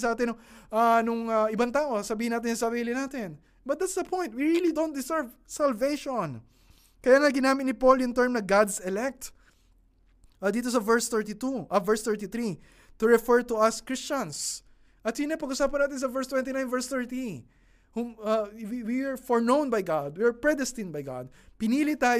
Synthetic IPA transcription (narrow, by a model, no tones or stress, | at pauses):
sɐʔaːt̪ɪnʔanʊŋɐɪbaŋt̪aːʔosɐbiːhɪnaːt̪̬ɪnsɐbilɪnaːt̪ɪn | bɐt̪̚at̪sd̪ɐpʰɔ̃jnt̪̚wiɹilid̪õw̃nt̪̚d̪ɪsɛɹvsɐlvejʃõn | kɐjaːŋɐɡɪnaːmɪt̪nɪpoljʊŋt̪ɛɹmnɐɡad̪sɛlɛk̚t̪ | ʔad̪iːt̪̬os̬ɐvɛɹst̪ɛɹt̪it̪uʔɐvɛɹst̪ɛɹt̪it̪ɾi | t̪ʊɹɛfɛɹt̪uɐskɹɪst͡ʃɐ̃ns | ʔɐt̪̚sinɐpɐɡʔʊsaːpɐnaːt̪ɪnsɐvɛɹst̪wɛ̃nt̪̬ɪnãj̃nvɛɹst̪ɛɹt̪i | humɐiwiaɹfɔɹnõw̃nbɐjɡad̪̚wiɐɹpɹɛd̪ɛst̪ɪ̃nbɐjɡa̰d̪̚pɪniːlit̪aːj